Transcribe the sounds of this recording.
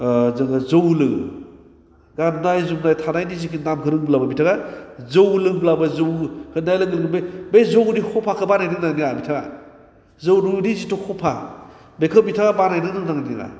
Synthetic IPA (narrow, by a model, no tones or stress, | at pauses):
zɯŋazowlɯ | ɡanːajzumnajtʰanajnizikinamkʰɯɾɯŋblabɐbitʰaɡazowlɯŋblabɐzowhɯnajlɯɡlɯŋbebezowɾihʰɔpʰakʰɯbanajnɯŋnaŋniabitʰaɡa | zowɾuɾizitɔhʰɔpʰa | bekʰɯbitʰaɡabanajnɯŋnɯŋnaŋnia̰